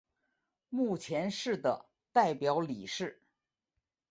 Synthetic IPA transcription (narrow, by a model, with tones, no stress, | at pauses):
mu˥˩t͡ɕʰjɛ˧˥nʂɻ̩˥˩d̪ə˩ | t̪a˥˩ɪpjɑ˧˥ʊli˨˩ʂɻ̩˥˩